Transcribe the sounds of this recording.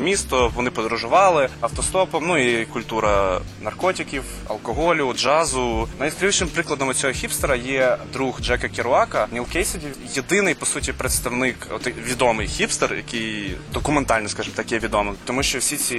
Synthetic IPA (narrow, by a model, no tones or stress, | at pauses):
mʲist̪ɔʋɔnɪpɔd̪ɾʊʒʊʋɑlˠɪɐwt̪ɔst̪ɔpɔmnuikʊlʲt̪uɾɐnɐrkɔtʲɪkʲiw | ɐ̰lˠkɔɦɔlʲiwd͡ʒɑzʊnɐjiskɾʲiʋʃɪmpɾɪklˠɐd̪ɔmɔt͡sʲɔɦɔxʲipst̪eɾɐjɛd̪ɾuxd͡ʒɛkɐkʲiɾʊɑkɐnʲilˠkɛjsɪdʲi | jed̪ɪnɪjpɔsutʲipɾet̪st̪ɐwnɪkɔ̰t̪ʋʲid̪ɔmɪjxʲipst̪erjʔɐ̰kɪjd̪ɔkʊment̪ɑlʲnɔskɑʒɪmt̪ɑkjɛʋʲid̪ɔmɪt̪ɔmuʃt͡ʃɔwsʲit͡sʲi